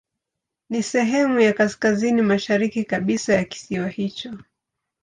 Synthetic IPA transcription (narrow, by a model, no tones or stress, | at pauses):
nisɛɦɛmujakaskazinimaʃaɾikikaɓisajaki̥siwahit͡ʃɔ